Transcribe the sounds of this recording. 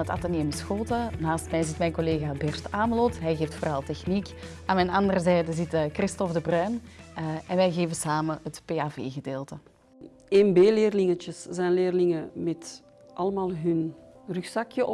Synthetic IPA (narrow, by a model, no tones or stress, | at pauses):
əta̰taneːmɪsxoːtənaːstmɛjzɪtmɛjnkoleːɣaːbɛrtaːməlɔtɦɛjɣeːftfoːɾɑlˠtɛxnikaːnmɛnɑndərəzɛːjdəzɪtːkrɪstɔvdəbrœɥn | ɛnʋɛjɣeːvəsaːməɦətpeːaːvḛːɣədeːlˠtə | enbeːleːrlɪŋət͡ʃəszɛjnleːrlɪŋəmɛt | ʔɑləmaːlˠɦɵnryxsɑkjəʔ